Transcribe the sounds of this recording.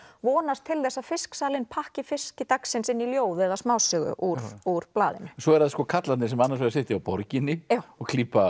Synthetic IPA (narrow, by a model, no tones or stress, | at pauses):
vɔːnast̪ʰːɪlθɛsːafɪsksaːlɪnpʰahcɪfɪscɪt̪aksɪnsɪnːiljoːwðɛðasmaːwsœːɣʏ̰ʔuɾuɾ̥plaːðɪ̰nʏ̥sɔɛɾaðskɔːkʰat̪lannɪs̬ɛmanːaɾsvejɾsɪht̪ɪawpɔɾcɪnːɪjawɔɣkʰliːpa